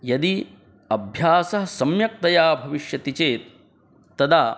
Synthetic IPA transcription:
jɐd̪i | ɐbʱjaːsɐɦɐsɐmjɐk̚t̪ɐjaːbʱɐʋiʃjɐt̪it͡ʃeːt̪̚ː | ɐd̪aː

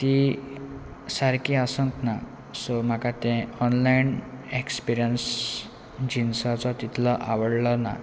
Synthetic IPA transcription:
t̪i | saɾkiasə̃nt̪na | som̤akat̪ɛ̃ɔnlainekspiɾjəns | d͡ʑinsat͡sɔt̪it̪ʰləʔa̰ʋəɽləna̰

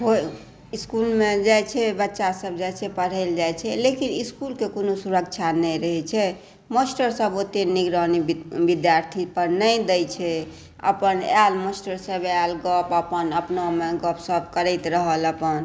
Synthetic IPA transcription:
ɦoj | iskulmẽd͡ʒajt͡ʃʰɛbətːʃasəbd͡ʒajt͡ʃʰɛpəɽ̤ɛld͡ʒajt͡ʃʰɛlekiniskulkekonosuɾəkt͡ʃʰanɛjɾəɦɛt͡ʃʰɛ | məsʈəɾsəbot̪eniɡɾənibid̪jaɾt̪ʰipəɾnəjd̪əjt͡ʃʰɛ | ə̰pənalməsʈəɾsəbalɡəpəpənəpnmeɡəpsəb̚kəɾət̪ɾəɦələpən

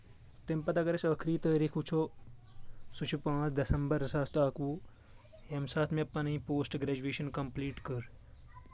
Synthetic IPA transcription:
t̪empɐt̪akɐɾɐt͡ʃəːkʰɾiːt̪əːɾiːkʰut͡ʃʰoː | sut͡ʃʰupãːt͡ʃʰd̪ɐsɐmbəɾsaːst̪aːkuː | emsaːt̪ʰmẽpːɐnɐĩpoːsʈɡɾeːd͡ʒueːʃɐnkɐmpliːʈkəɾ

